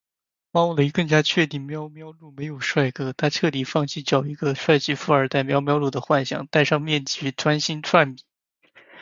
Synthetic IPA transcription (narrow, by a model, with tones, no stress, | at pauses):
fɑ˥ŋwu˥˩lə˨˩i˧˥kɤ˥˩˧ŋt͡ɕja˥t͡ɕʰɥɛ˥˧t̪i˥˩ŋmjɑ˥ʊmjɑ˥ʊlu˥˩me˧˥ɪjo˨˩ʊʂwa˥˩ɪkɤ˥˩t̪ʰa˥ʈ͡ʂʰɤ˥˩t̪i˨˩fɑ˥˧ŋt͡ɕʰi˥˩t͡ɕjɑ˨˩ʊi˧˥ɡə˧ʂwa˥˧ɪt͡ɕi˥˩fu˥˩ə˞˨˥t̪a˥˩ɪmjɑ˥ʊmjɑ˥ʊlu˥˩d̪ə˩xwa˥˩nɕjɑ̰˨˩˦ŋt̪a˥˧ɪʂɑ˥˧ŋmjɛ˥˩nt͡ɕi˥˩ʈ͡ʂʰwa˥nɕi˥nʈ͡ʂʰwa˥˩nmi˨˩˦